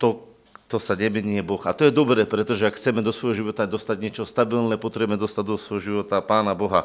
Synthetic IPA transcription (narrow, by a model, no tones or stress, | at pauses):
t̪ɔ | t̪ɔsaɲɛmɛɲɪɛbɔxat̪ɔjɛd̪ɔbɾɛːpɾɛt̪ɔʒɛakxt͡sɛmɛd̪ɔsʋɔjɦɔʒiʋɔt̪ad̪ɔst̪aɟɲɛt͡ʃɔst̪abilnɛpɔt̪ɾɛbmɛd̪ɔst̪aɟd̪ɔsʋɔjɦɔʒiʋɔt̪apaːnabɔɦa